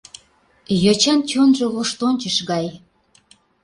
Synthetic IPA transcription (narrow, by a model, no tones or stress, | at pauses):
jot͡ɕɑnt͡ɕonʒeloʃt̪onʲt͡ɕəʃɣɑj